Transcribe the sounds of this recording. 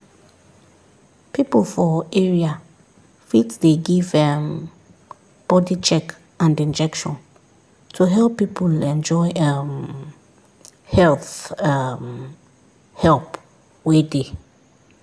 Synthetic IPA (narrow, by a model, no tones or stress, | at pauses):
pipəlfɔɛɹia | fitdeɡivɛ̃m | b̥ɔdit͡ʃɛk | ãndĩnd͡ʒɛkʃɔ̃n | tʰuɦɛlˠpːipʰulɛ̃nd͡ʒɔɪam | hɛlθam | hɛlp | wede